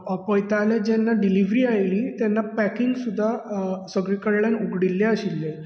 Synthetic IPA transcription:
pəjt̪aljad͡ʑɛnːaɖiliʋɾiːajlĩːt̪janːapækiŋɡsud̪ʱːasəɡɭekəɽɭjanuɡɽilːaəɕilːe

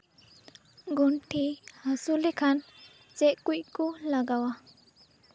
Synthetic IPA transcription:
ɡunʈʰihasulɛkʰan | t͡sɛʔkujʔkulaɡawa

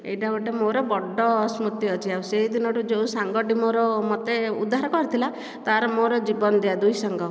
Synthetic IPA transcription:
ḛjʈabuʈemoɾɔbɔɖːɔsmut̪iɔt͡ʃʰiawseɦid̪inɔɾud͡ʒeusaŋɡɔɖimɔɾɔmɔt̪eud̪ːaɾɔkɔɾit̪ʰila | t̪aɾɔmoɾɔd͡ʒibɔnɔd̪ead̪ujsɔŋɡɔ

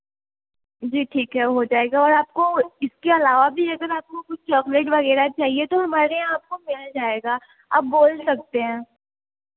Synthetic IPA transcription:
d͡ʒiːʈʰiːkɦɛʋoɦod͡ʒaːeːɡaɔːɾaːp̚koɪskeɐlaːʋabʱiɐɡəɾaːp̚kokʊt͡ʃʰt͡ʃɔːkleʈʋɐɣɛːɾat͡ʃaːɦiet̪oɦɐmaːɾeãaːp̚komɪld͡ʒaːeːɡaː | a̰ːp̚boːlsɐk̚t̪eɦɛ̃ː

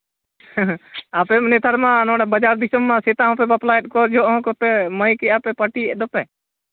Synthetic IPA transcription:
aːpemneːt̪ʰəɾmãːnõːɽabəd͡ʒaːɾd̪ɪsəmːãːset̪ãːõpebəplaːjʈ̚koːɾd͡ʒoːõkot̪eməĩkiaːpeːpəʈiːɗ̪əpeː

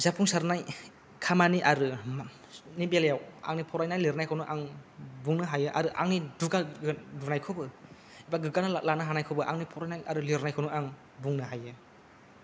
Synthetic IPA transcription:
zapʰuŋsaɾnaj | kʰamaniʔaɾɯm | nibeljawa̰ŋnipʰɔɾajnajliɾnajkʰawnuʔaŋbuŋnɯɦajɯʔa̰ɾɯʔa̰ŋniduɡaɯdunajkʰɔbɯ | ibaɡɯɡanalanɯɦanajkʰɔwbɯʔa̰ŋnipʰɔɾajnajaɾɯliɾnajkʰawnuaŋ | buŋnɯɦajɯ

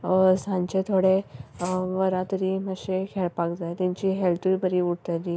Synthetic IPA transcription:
sãɲt͡ɕet̪ʰoɽe | ʋəɾãt̪əɾiːməɕekʰeɭpakd͡zajt̪ãɲt͡ɕiːɦelt̪ubəɾiuɽt̪ali

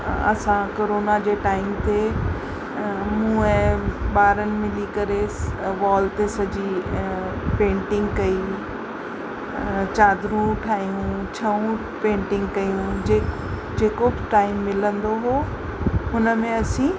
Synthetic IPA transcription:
ɐ̰sãkoːɾoːnad͡ʑeːʈaːɪmt̪ʰe | mũːə̃ɓaːɾənɪ̆mɪlikɐɾesʋɔːlt̪esɐd͡ʑʱi | pẽːɳʈɪ̃ŋɡkɐi | t͡ɕaːd̪ʱɾũʈʰaːɦijũt͡ɕʰɐũ | pẽːɳʈɪ̃ŋɡ̚kɐjũd͡ʑeː | d͡ʑeːkobɪʈaːɪmːɪlə̃nd̪oɦoː | ɦʊnə̆mẽɐsĩː

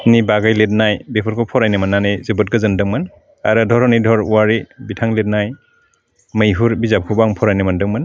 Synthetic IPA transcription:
nibaɡajlet̚najbepʰuɾkʰɔpʰɔɾajnɯmanːanejzɯbɯt̚ɡɯzɯndɯŋman | aɾɯdʱɔɾɔnidʱɔɾuwaɾibitʰaŋlet̚naj | mɯjɦuɾbizap̚kʰubaŋpʰɔɾajnɯmandɯŋmɯn

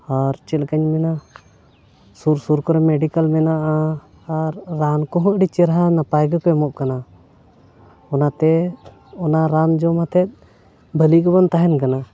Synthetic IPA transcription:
aɾt͡ʃɛlkəɲmɛna | suɾsuɾkɔɾɛmɛɖikalmɛnaʔa | aɾːankɔɦɔ̃ʔɖit͡ʃɛɾɦanapajɡəkɔɛmɔʔkana | ɔnat̪ɛ | ɔnaɾand͡ʒɔmat̪ʰɛt̪̚ˀ | bʱəlikɔbɔnt̪aɦɛnkana

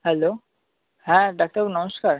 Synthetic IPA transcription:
hɛloː | hɛ̃ɖak̚ʈəbnəməskaːɾ

